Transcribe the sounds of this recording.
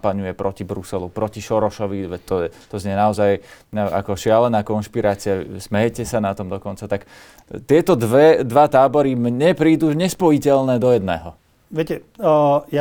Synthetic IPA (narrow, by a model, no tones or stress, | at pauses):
paɲujɛpɾɔcibɾusɛlupɾɔciʃɔɾɔʃɔʋiʋɛt̪ɔɛt̪ɔzɲɛnaɔzajʔa̰kɔʃɪalɛnaːkɔnʃpiɾaːt͡sɪasmɛjɛcɛsanat̪ɔmd̪ɔkɔnt͡sat̪ak | t̪ɪɛt̪ɔd̪ʋɛd̪ʋat̪aːbɔɾimɲɛpɾiːd̪uːɲɛspɔjicɛlnɛːd̪ɔjɛd̪nɛ̰ːɦɔ | ʋɪɛcɛ | ja